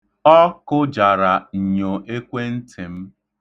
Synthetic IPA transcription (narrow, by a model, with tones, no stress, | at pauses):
ɔ˦kʊ˦d͡ʒa˨ɾa˨n̩˨ɲo˨ʔe˦kʷe˦n̩˦tʰɪ˨m̩˦